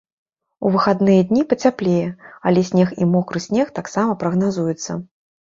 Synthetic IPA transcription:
uvɨxad̪nɨjɐd̪ʲnʲipɐt͡sʲaplʲejɛɐlʲɛsʲnʲɛximɔkɾɨsʲnʲɛxt̪aksamɐpɾɐɣnazujut̪sːɐ̰

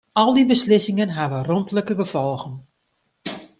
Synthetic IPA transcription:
ɔlˠdibəslɪsɪŋənɦaʋərompləkəɡəfɔlˠɣən

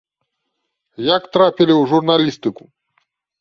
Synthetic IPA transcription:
jakt̪ɾapʲilʲiwʐurnalʲist̪ɨku

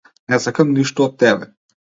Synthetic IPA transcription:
nɛzakəmniʃt̪oːt̪ːɛbɛ

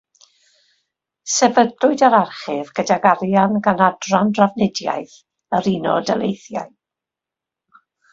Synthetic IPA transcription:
sɛvədlʊɨdaɾarχɪvɡədaɡaɾjanɡanadrandravnɛdja̰jθ | əɾinɔdɛlejθja̰ɨ

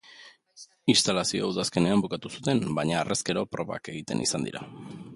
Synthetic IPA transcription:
inst̪alasioawðaske̞ne̞ambukat̪usut̪e̞mbajɲaːrʔe̞ske̞ɾo̞pɾo̞βa̰ke̞ɣit̪e̞̰nʔḭsand̪ḭɾʔa̰

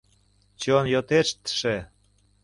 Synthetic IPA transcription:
t͡ɕonjot̪eʃt̪ʃe

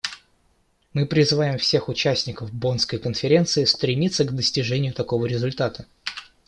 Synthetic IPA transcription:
mɨpɾʲɪzɨvajɪmfsʲe̞xʊt͡ɕæsʲnʲɪkəvbo̞nskəjkənfʲɪɾʲe̞nt̪sɨɪst̪ɾʲɪmʲit̪sːəɡd̪əsʲtʲɪʐɛnʲɪjʊt̪ɐko̞vəɾʲɪzʊlʲt̪at̪ə

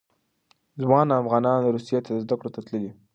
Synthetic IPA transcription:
zwɑnafɣɑnɑnɾusijet̪ad̪əzd̪akɽot̪at̪ləli

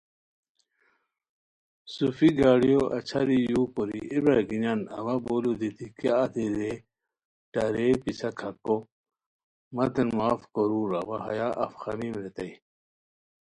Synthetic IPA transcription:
sufiɡaːɽijoʔɐ̰t͡ɕʰɐɾijuːkoɾḭʔebɾɐɡinanɐ̰wɐboːlud̪it̪ʰikaːt̪ʰiɾe | ʈɐɾepisʰɐkʰɐko | mɐt̪enmaːfkoɾuːɾɐwaɦɐ̰jaʔɐ̰fxɐmimɾet̪ɐj

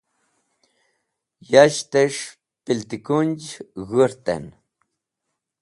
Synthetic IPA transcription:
jaʃt̪eʂ | pilt̪ikunʲd͡ʒɣəɾt̪ḛn

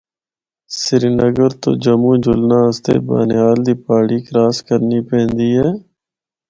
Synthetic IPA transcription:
sɪɾinəɡəɾt̪o̰ːd͡ʒəmũːd͡ʒʊlnãːəst̪ḛːba̰ːnjaːld̪iːpaːɽiːkɾaːskəɾniːpɛ̃ːnd̪iːɦɛː

